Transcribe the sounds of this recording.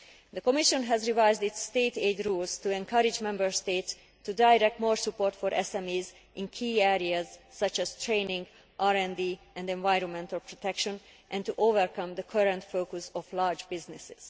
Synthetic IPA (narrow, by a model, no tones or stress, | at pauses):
d̪əkɔmiʃɔ̃nɦɛzɹivajzd̪it̪sːt̪eːt̪eːd̪ɾuːlzt̪uɛ̃ŋkʌɾɪd͡ʒmɛ̃mbəɹst̪eːt̪s | t̪ːudajɾɛk̚t̪moːɹsupoːɹt̪fɔɾʔɛsɛ̃miːz | ʔɪ̃nkʰiːɛɾiazːʌt͡ʃɛz̥t̪ɹẽːnĩŋɡ | ʔaːɾɛ̃nd̪iː | ɛ̃nd̪ɛ̃nvajɾɔ̃nmɛ̃nt̪əlpɹot̪ɛkʃɔ̃nʔɛ̃nt̪uʔoːvɛɹkʌ̃md̪əkʰʌɾɛ̃nt̪foːkusɔflaɹd͡ʒbɪznɪsɪ̥z̥